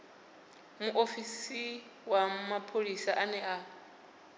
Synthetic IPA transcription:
muʔofisi | wamapʰolisaʔanɛʔa

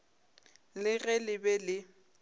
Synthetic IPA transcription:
lɪɣɛlɪbɛlɪ

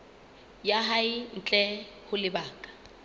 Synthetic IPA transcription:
jaɦaɪn̩t͡ɬʼɛ | hʊlɪbaːkʼḁ

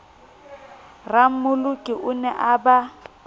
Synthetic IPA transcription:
ram̩mʊlʊkʼɪʔʊnɛʔaba

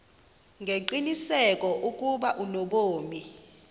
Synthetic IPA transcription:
ŋɡʱeǃinisɛkʼɔʔukʼuɓaʔunoɓoːmi

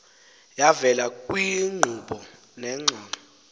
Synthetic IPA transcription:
javɛlakʼwiŋ͡ǃʱuɓɔ | nɛːŋ͡ǀʱɔːnɔ

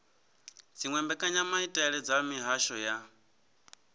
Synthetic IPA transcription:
d͡ziŋwɛmbɛkʼaɲamaitʼɛɺɛd͡zamiɦaʃɔja

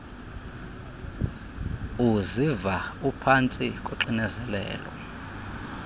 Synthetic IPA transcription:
uzivaupʰant͡sʼikʼoǁinɛzɛlɛ̰ːlɔ̰

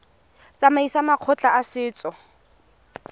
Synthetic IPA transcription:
t͡sʼamaisamaq͡χʰɔt͡ɬʼaasɪːt͡sʼɔ

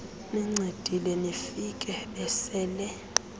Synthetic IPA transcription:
niŋ͡ǀʱed̥ʱilɛnifikʼɛɓɛsɛːlɛ

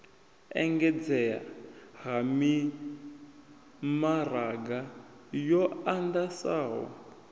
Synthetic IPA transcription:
ɛ̰ŋɡɛd͡zɛa̰ɦami | maraɡa | jɔandasaːɦɔ̰

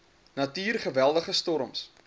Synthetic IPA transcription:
nɐtiːrχəvælˠdəχəstɔɾəms

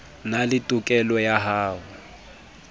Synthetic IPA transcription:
nalɪtʼʊkʼɛlɔjaɦaːɦʊ

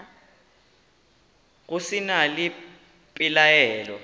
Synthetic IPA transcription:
ɣ̬usinali | pʼilajɛːlɔ

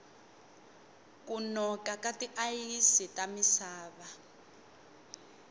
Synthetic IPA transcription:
kunɔkakatiʔajisitʼamisaːβa

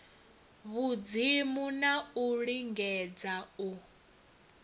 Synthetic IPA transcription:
βud͡zimunauɺiŋɡɛd͡zau

